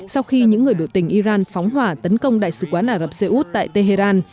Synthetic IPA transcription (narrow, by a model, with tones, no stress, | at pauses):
sa˧wxi˧ɲɨ̰˧˥ŋːɨ˨˩əjɓi˧˩əwt̪ï˧˩ŋ̟ʔi˧zaː˧nfɔ˨˦wŋ͡mɦwaː˧˩t̪ə˨˦nkə˧wŋ͡mɗa̰ː˧˨jsɨ̰˧˩kwaː˨˦nʔaː˧˩ɾə˨˩p̚se˧ʔu˦˥t̚t̪a̰ː˧˨jt̪e˧ɦe˧zaː˧n